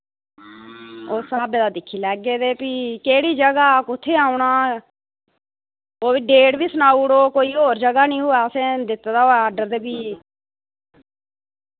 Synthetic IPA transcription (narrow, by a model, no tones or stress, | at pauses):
oːsaːbeːd̪aːd̪ɪkʰːiːlɛːɡeːd̪eːpiːkeːɽiːd͡ʒəɡaːkʊt̪ʰːeːaːʊɳaː | oːbiːɖeːɽbiːsənaːuɽoːkoːiːɦoːɾd͡ʒəɡaːnĩːɦʊːaːsẽːd̪ɪt̪ːd̪aːoːaːɖəɾd̪eːbiː